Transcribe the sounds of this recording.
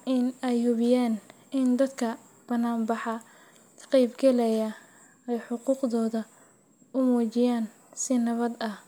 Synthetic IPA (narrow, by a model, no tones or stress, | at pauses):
ʔɪnɛjhʊβɪjaːn | ɪnd̪ɐd̪kʰɐ | b̥ɐnaːmbɑħɑ | t̪ʰqɛjbɡɛlɛjɐ | ɛjħʊquːqðɔːðɐ | ʊmuːt͡ʃɪjaːn | sɪnɐβɐd̪ɐh